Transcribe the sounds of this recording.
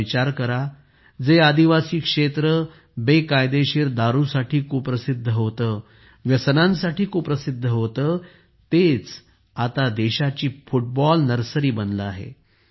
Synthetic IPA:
it͡ɕaɾkəɾa | d͡zead̪iʋasiːkʂet̪ɾə | bekajd̪eɕiːɾd̪aɾusaʈʰiːkupɾəsid̪ʱːəɦot̪ə | ʋjəsənãnsaʈiːkuːpɾəsid̪ʱːəɦot̪əː | t̪et͡s | at̪ad̪eɕat͡ɕiːfuʈ̚bɔlnəɾsəɾiːbənləaɦḛ

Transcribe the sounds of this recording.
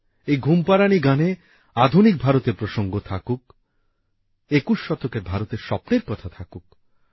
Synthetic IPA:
ejɡʱumpaɾaniɡane | ad̪ʱunik̚bʱaɾot̪eɾpɾoʃoŋɡot̪ʰakuk | ekuʃʃɔt̪okeɾbʱaɾot̪eɾʃɔpneɾkɔt̪ʰat̪ʰakuk̚

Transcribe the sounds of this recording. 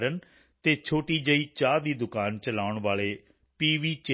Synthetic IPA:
ɾən | t̪eːt͡ʃʰoːʈiːd͡ʒəiːt͡ʃaːd̪iːd̪ʊkaːnt͡ʃəlaːʊɳʋaːɭeː | piːʋiːt͡ʃ

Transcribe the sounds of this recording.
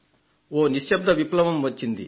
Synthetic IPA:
oːniʃjɐb̚d̪ʱɐʋiplɐʋɐmʋɐt͡ʃːind̪i

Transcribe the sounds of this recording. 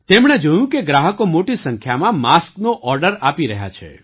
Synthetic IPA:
t̪emɽ̃ed͡ʒojũkeɡɾaɦəkomoʈisəŋkʰjamãmasknoʔɔɾɖəɾapiɾəɦja̰t͡ʃʰḛ

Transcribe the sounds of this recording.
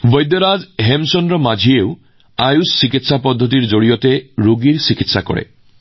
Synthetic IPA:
bɔjd̪jɔɾad͡ʒɦemsɔnɾɔmad͡ʒʱiew | ajusːikit̪sapɔd̪ʱːɔt̪̬iɾd͡ʒoɽiɔt̪eɾuɡiɾsikit̪sakɔ̰ɽḛ

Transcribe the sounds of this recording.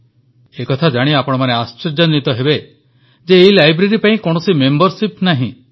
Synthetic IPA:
ekɔt̪ʰad͡ʒaɽ̃iapɔɽ̃ɔmaneast͡ʃɔɾd͡ʒɔnit̪ɔɦebe | d͡ʒeːilajbɾeɾipaĩkoɽ̃ɔsimembɔɾsipnaɦḭ̃

